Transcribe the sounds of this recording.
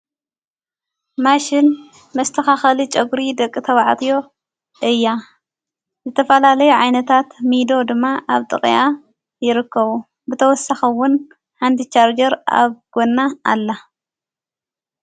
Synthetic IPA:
maʃɪn | mɐst̪ʰɐxaxɐlit͡ʃʼɐɡuɾid̪ɐkʼːit̪ʰɐβʕt̪ʰijo̞ | ʔɨjːa | zɨt̪ʰɐfɐlalɐjuʕajnɐt̪ʰat̪mid̪o̞d̪ɨmːaʔaβt̪ʼɨkʼja | jɪɾɨkːɐβu | bɨt̪ʰɐwɔsaxiwʊn | ħant̪ʰit͡ʃaɾd͡ʒɐɾa̰βɡ̥onːaa̰lːa

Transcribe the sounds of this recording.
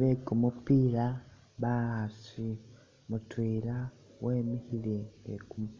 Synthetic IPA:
βekumupiːɾa | βaasi | mutwiːɾa | weːmihileekum

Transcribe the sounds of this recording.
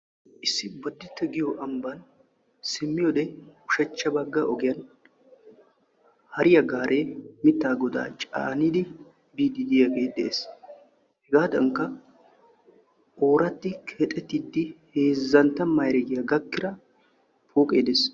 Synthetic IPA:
ʔɪsːɪbɐd̪ːɪt̪ːɛɡɪjɔʔɐmbɐn | sɪmːɪjɔd̪ɛʊʃɐt͡ʃːɐbɐɡːɐʔɔɡɪjɐn | hɐɾɪjɐɡaːɾʔe̞ːmɪt̪ːaːɡɔd̪a̰ːt͡ʃʼa̰ːnid̪ɪ | biːd̪ɪd̪ɪjɐɡeːd̪ɛʔeːs | hɛɡaːd̪ɐŋkːɐ | ʔo̞ːɾɐt̪ːɪkʰːt̪ʼɛt̪ːɪd̪ːɪheːzːɐnt̪ːɐmɐjɾɛɡɪjɐɡɐkːɪɾɐ | poːkʼe̞̰ːd̪eːs

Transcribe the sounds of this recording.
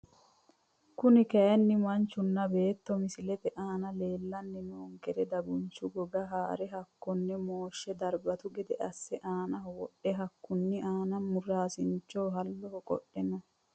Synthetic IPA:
kʊnɪkɐjɐnːɪmɐnt͡ʃːʊnːɐbe̞ːt̪ːɔmɪsɪlɛfɛʔaːnɐleːlːɐnːɛnoːŋkɛɾɛd̪ɐbʊnt͡ʃːʊɡɔɡɐɦaːɾɛɦɐkːɔnːɛmoːʃːɛd̪ɐɾbɐt̪ʊɡɛd̪ɛʔɐsːɛʔaːnɐɦɔwɔɗːɛɦɐkːʊnːɪʔaːnɐnmʊraːsɪnt͡ʃːoːɦɐlːɔhɔkʼɔ̰ɗːɛnɐ

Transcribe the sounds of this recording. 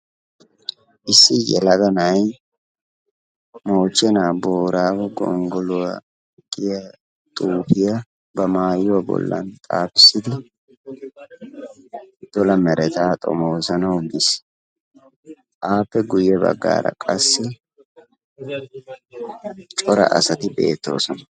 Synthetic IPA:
ʔɪsːɪjɛ̰lɐɡ̪ɐnɐj | mo̞ːt͡ʃːɛnaːboːɾaːbɛɡɔ̰ŋɡɔlʊwɐ | ɡɪjɐ | t̪ʼuːpɪjɐ | bɐmaːjʊwɐbɔ̰lːɐ̰nt̪ʼaːpɪ̥sːɪd̪ɪ | d̪̥ɔlɐmɛɾɛt̪aːt̪ʼɔ̰moːsɐnɐwɡɪs | ʔaːpːɛɡʊjːɛbɐ̰ɡːa̰ːɾɐ̰kʼɐsːɪ | t͡ʃʼɔɾɐ̰ʔɐ̰sɐt̪ɪbḛːt̪ːo̞̰ːsɔnɐ̥

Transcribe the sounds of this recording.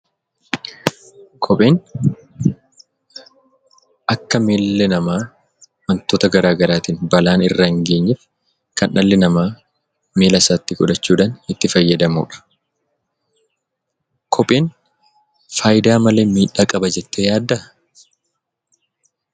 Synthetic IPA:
kʰɔpʼeːn | ʔɐkːɐmeːlːɛnɐmaː | mɐnt̪oːt̪ɐɡɐɾaːɡɐɾaːt̪iːnbɐlaːnɪrːɐɪŋɡe̞ːɲːɛf | kɐnʔɐlːɪnɐmaː | meːlɐsaːt̪ːɪɡɔᶑɐt͡ʃːuːᶑaːnɪt̪ːɪfɐjːɐd̪ɐmṵːᶑɐ̥ | kʰɔpʼeːn | faːjɪd̪aːmɐleːmiːᶑaːkʼɐbɐd͡ʒɛt̪ːeːjaːd̪ːɐ

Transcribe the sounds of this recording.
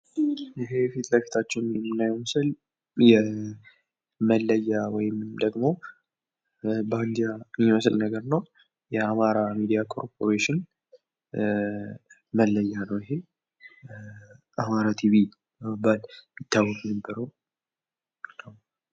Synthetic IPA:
ɨɦe̞fit̪ʰləkʰːi̥t̪ʰat͡ʃːɛwnmɨnːajɛwməsɨl | jɛ | məlːəjːawɔjɪmd̪əɡmo̞ | band̪ijajiməslnəɡəɾnəw | jɛamaɾamid̪ijakʰo̞̰ɾpʰo̞ɾeʃɪn | məlːəjːanəwɪɦe̞ | ʔamaɾat̪ʰiβi | məbːalmɪt̪ʰːawːɔkʼunəbːəɾəw | naw

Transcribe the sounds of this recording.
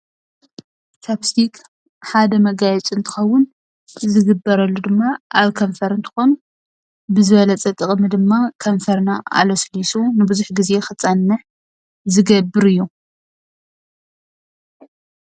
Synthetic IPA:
sʰaβsikʰ | ħad̪ɐmɐɡajɛt͡sʼɨnt̪ʰɨ̥xɐwːʊn | zɨɡɨbːɐɾɐlːud̪ɨmːaʔaβkʰɐɱfɐɾɨnt̪ʰɨ̥xon | bɨzɨβɐlɐt͡sʼɐt̪ʼɨχʼmɨd̪ɨmːakʰɐɱfɐɾnaʔa̰lɐslisunɨbɨzuħɡize̞xɨt͡sʼːanːɐħ | zɨɡɐbːɨɾɨjːu

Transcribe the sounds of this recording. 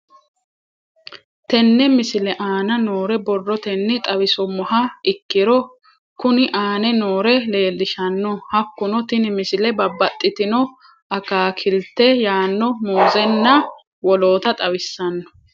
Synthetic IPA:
t̪ɛnːɛmɪsɪlɛʔaːnɐnoːɾɛbɔrːɔt̪ɛnːɪt̪ʼɐwɪsɔmɔɦɐɪkːɪɾɔ | kʊnɪʔaːnɛnoːɾɛle̞ːlːɪʃɐnːɔhɐkːʊnɔt̪ɪnɪmɪsɪlɛbɐbːɐt̪ʼːɪt̪ɪnɔ | ʔɐkaːkʰɪlt̪ːɛjaːnːɔmoːzɛnːɐ | wɔlo̞ːt̪ɐt̪ʼɐwɪsːɐnːɔ̥

